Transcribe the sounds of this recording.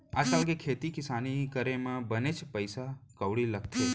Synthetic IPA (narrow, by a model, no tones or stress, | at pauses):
asalɡekʰet̪ikɪsanikəɾemãbənet͡ʃpəjsakəʋɽiləkʰt̪ʰe